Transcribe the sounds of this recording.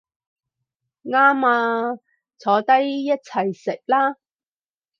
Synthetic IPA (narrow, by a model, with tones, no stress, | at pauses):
ŋaː˥maː˧ | t͡sʰɔː˨˧˥t̪ɐ˥jːɐ˥t̚t͡sʰɐ˨˩jsɪ˨k̚laː˥